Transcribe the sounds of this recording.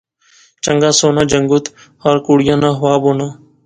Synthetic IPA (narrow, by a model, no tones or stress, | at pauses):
t͡ʃəŋɡaːsoːnãːd͡ʒəŋɡʊt̪ | həɾkuːɽɪjãːnãːɦʊʋaːboːnaː